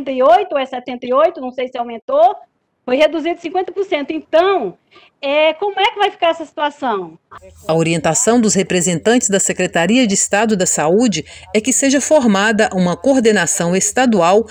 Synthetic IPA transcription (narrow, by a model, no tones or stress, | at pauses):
nt̪ɐiojt̪ʊɛsɛt̪ẽnt̪ɐiojt̪ʊnɐ̃w̃sejsɪawmẽnt̪o | fojhed̪uzid̪ʊsĩŋkwẽnt̪ɐpoɾsẽnt̪ʊẽt̪ɐ̃w̃ | ɛkõmʊɛkɪvajfi̥kaɾɛsɐsi̥t̪uasɐ̃w̃ɐoɾiẽnt̪asɐ̃w̃d̪ʊshepɾezẽnt̪ɐ̃t͡ʃɪzd̪ɐsekɾet̪aɾiɐd͡ʒɪːst̪ad̪ʊd̪ɐsaud͡ʒɪɛkɪseʒɐfoɾmad̪ɐʔũmɐkoɾd̪enasɐ̃w̃est̪ad̪uaw